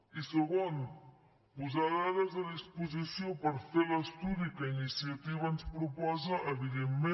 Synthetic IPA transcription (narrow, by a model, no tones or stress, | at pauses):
isəɣon | puzaɾaɾəzəðispuzisiopəɾfeləst̪uðikəinisiət̪iβənspɾupɔzəʔːβiðemːe